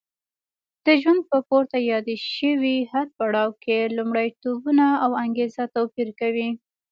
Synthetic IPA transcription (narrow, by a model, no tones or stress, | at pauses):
d̪̥əʒwand̪̚pəpoɾt̪ajɑd̪eʃəwihad̪̚paɽɑwkelumɽajt̪obunaːwaŋɡezat̪apiɾkawi